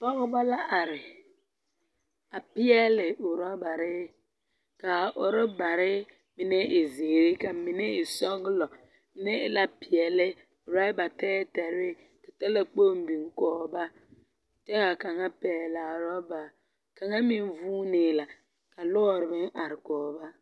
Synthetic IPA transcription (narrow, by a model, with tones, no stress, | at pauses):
pɔ˦ɣʊ˦ba˦la˦ʔa˨ɾɪ˨ | a˨pɪ˦ɛ˦lɪ˨ʊ˨ɾa˦ba˨ɾɪ˦ | ka˨ʔʊ˨ɾɔ˦ba˨ɾɪ˦ | mɪ˨nɛ˦ɪ˨zeː˨ɾɪ˦ka˨mi˨nɛ˦ɪ˨sɔ˦ɣɪ˦lɔ˨ | mɪ˦nɛ˦ɪ˨˦la˦pɪ˨ɛ˨lɪ˦˨ | ɾa˦ba˨tɛː˦tɛ˨ɾɪ˦ | ta˨ta˦la˦k͡po˦m˦bi˨ŋ˦kɔː˨˦ba˦ | t͡ʃɛ˦ɣa˨ka˨ŋa˦pɛː˨la˨ɾɔ˦ba˨ | ka˨ŋa˦mi˦n˦vuː˦nɪː˨la˨ | ka˨lɔ˦˨ɾɪ˨bɪ˦ŋʔa˨ɾɪ˨kɔː˨ba˦